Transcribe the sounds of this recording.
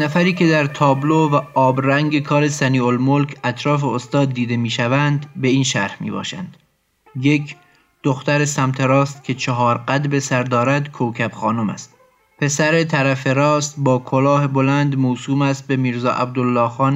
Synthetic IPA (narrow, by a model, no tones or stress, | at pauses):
næfæɾiːkʰe̞d̪æɾt̪ʰɒːblovæʔɒːbɾæŋɟe̞kʰɒːɾe̞sæniːolmolkʰæt̪ʰɾɒːfeost̪ɒːd̪ːiːd̪e̞miːʃævænd̪be̞iːnʃæɾhmḭːbɒ̰ːʃæ̰nd̪̥ | je̞kʰ | d̪̥oxt̪æɾesæmt̪ʰe̞ɾɒːst̪̚kʲʰe̞t͡ʃʰɒɦɒːɾɢæd̪be̞sæɾd̪ɒːɾæd̪kʰowkʰæbxɒːnomæ̰st̪̚ | pʰe̞sæɾe̞t̪ʰæɾæfe̞ɾɒːst̪bɒːkʰolɒːhebolænd̪moːsuːmæst̪̚be̞miːɾzɒ̰ːʔæb̚d̪olːɒːxɒːn